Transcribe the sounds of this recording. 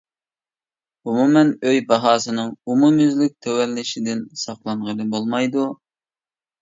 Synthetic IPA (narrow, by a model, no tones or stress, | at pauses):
umumɛnøjbɑɦɑːsɨnɨŋumumyzlyk̚ʲt̪ʰɛwɛlːɪʃid̪ɪnsɑqlˠɑɴʁəlɨbolˠmɑjd̪u